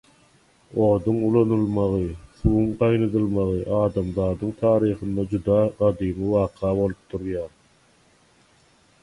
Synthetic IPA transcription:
o̞ːd̪uŋulˠonulˠmɑʁɯθuːuŋɢɑjnɯd̪ɯlˠmɑʁɯʔɑːd̪ɑmðɑːd̪ɯŋt̪ʰɑːɾiːχɯnd̪ɑd͡ʒud̪ɑːɢɑd̪iːmɯwɑːqʰɑːβo̞lˠup̚d̪uɾjɑːɾ

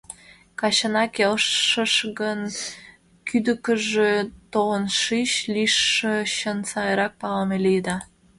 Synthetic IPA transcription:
kɑɕənɑkelʃəʃɣən | kyd̪əkəʒet̪oənʃiɕliʃːəɕənsɑjəɾɑk̚pɑlmeliəd̪ɑ

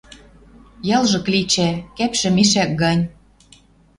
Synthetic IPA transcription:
jɑlˠʒɤ̆klit͡ɕækæpʃɘ̆miʃæk̚ɡɑnʲ

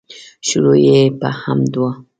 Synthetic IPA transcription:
ʃuɾojepə̰hamd̪wa

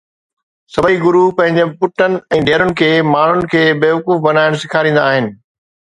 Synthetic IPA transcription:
sɐbʱiɡʊɾupɐ̃ɦɪ̃ɲd͡ʑepʊʈənɪ̆ɛ̃ːɖʱeːɾʊnɪ̆kʰeːmaːɳ̤ʊnɪ̆kʰeːbeːʋɐkuːfbɐnaːɪɽ̃sɪkʰaːɾĩːnd̪aːɦɪnɪ̆

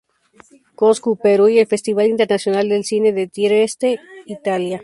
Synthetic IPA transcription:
koskupeɾujelfe̞st̪iβalint̪e̞ɾnasjo̞nald̪elsine̞ðe̞t̪eɾest̪eit̪alja

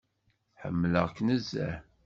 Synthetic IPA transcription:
ħə̰mːləʁknəzːæ̰

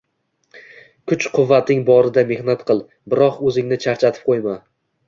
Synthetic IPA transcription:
kʰʊt͡ʃqʰʊvːat̪ɪŋbɒɾɪd̪ame̞hnat̪qʰɨlˠ | bɪɾɒqɵzɪŋnɪt͡ʃʰaɾt͡ʃʰat̪ʰɪ̥p̚qʰojma

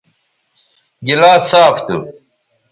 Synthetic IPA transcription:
ɡilaːsaːft̪ṵ

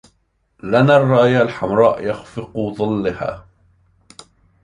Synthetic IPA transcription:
lanarˤːɑːʔjalħamɾˤɑːʔjɑxfɪqðˤɨlːɪha̰ː

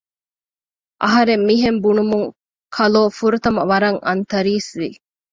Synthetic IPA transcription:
ʔɐɦɐɾemːiɦembunumuŋ | kʰɐloːfuɾut̪ɐmɐʋɐɾɐŋʔɐnt̪ɐɾiːsʋi

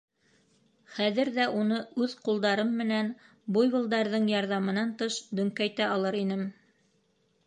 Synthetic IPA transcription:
χæðɘ̆ɾðæʔunɤʉðqulˠd̪ɑɾɤmːɘ̆næn | bujβɤ̆lˠd̪ɑɾðɤɴjɑɾðɑmɤ̆nɑnt̪ɤʃd̪ɵ̆ŋkæjt̪æɑlˠɤɾinɘm

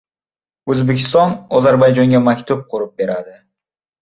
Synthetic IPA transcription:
ɵzbekʲɪ̥st̪ɑnozɑɾbɑjd͡ʒɑŋɡʲemakʲt̪up̚qʰoɾup̚be̞ɾad̪ɪ

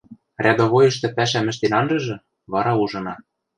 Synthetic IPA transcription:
rʲʔæd̪oβojɤ̆ʃt̪ɘ̆pæʃ̬æmɘ̆ʃ̬t̪enɑnʒɤ̆ʒɤ̆ | βɑɾɑuʒɤ̆nɑ

